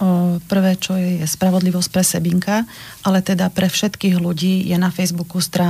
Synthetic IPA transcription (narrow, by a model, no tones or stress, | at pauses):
pr̩ʋɛːt͡ʃɔjɛspɾaʋɔd̪liʋɔsc̚pɾɛsɛbiŋkaʔalɛt̪ɛd̪apɾɛfʃɛt̪kiːɣluɟiːjɛnafɛjzbukust̪ɾaː